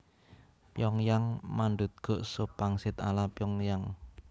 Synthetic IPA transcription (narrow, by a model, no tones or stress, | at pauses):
pjɔŋjaŋmanɖṳt̪̚ɡ̥o̤ʔsopaŋsɪt̪a̰lapjɔŋjaŋ